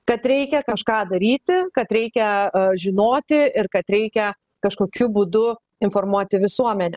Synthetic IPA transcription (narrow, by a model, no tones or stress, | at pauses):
kɐt̪ɾʲɛɪkʲɛkɐʃkɑːd̪ɐɾʲiːt̪ʲɪkɐt̪ɾʲɛɪkʲɛʒʲɪnoːt̪ʲɪɪɾkɐt̪ɾʲɛɪkʲɛ | kɐʃkoːkʲʊbuːd̪ʊ | ɪnfoːrmuɔt̪ʲɪʋʲɪsuɔmʲɛnʲɛ